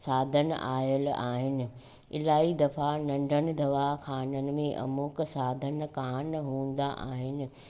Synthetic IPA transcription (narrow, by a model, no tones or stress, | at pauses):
saːd̪ʱənʔaːjəla̰ːɦɪnɪ̆ | ɪ̰laːɦid̪ɐfanɐ̃ɳɖʱənɪ̆d̪ʱɐʋaxaːnənɪ̆mẽʔɐ̰mʊksaːd̪ʱənkaːnɦũːə̃n̆d̪aʔa̰ːɦɪnɪ̆